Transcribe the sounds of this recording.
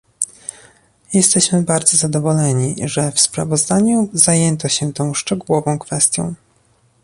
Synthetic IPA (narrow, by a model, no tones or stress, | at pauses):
jɛst̪ɛɕmɘbaɾd̪zɔzad̪ɔvɔlɛɲiʐɛfspɾa̰vɔzd̪aɲuzajɛnt̪ɔɕɛt̪ɔ̃w̃ʂt͡ʂɛɡuwɔvɔ̃w̃kfɛst̪ʲjɔ̰̃w̃